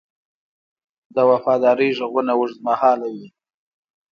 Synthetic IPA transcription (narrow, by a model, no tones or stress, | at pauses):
d̪əwafɑd̪ɑɾəjʒəɣunawʊʂzmahɑːlawi